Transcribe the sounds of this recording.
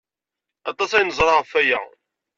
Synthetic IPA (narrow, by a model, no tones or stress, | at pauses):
ɑt̪ˤːɑsæjnəzˤɾˤɑʁəfæjæ̰